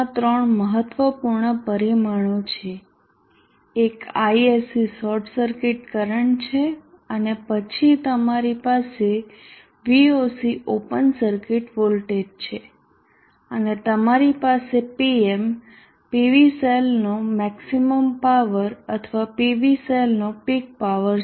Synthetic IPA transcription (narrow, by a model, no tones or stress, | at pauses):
t̪ɾəɳməɦət̪ʋəpuɾɳəpəɾimaɳ̃ot͡ʃʰe | ekaiesisɔɾʈʰsəɾkɪʈkəɾəɳt͡ʃʰe | ənepət͡ʃʰit̪əmaɾipase | ʋiosiʔopənsəɾkɪʈʋolʈeɖ̚t͡ʃʰe | ənet̪əmaɾipasepiem | piʋiselnomɛksiməmpaʋəɾət̪ʰəʋapiʋiselnopiɡ̚paʋəɾ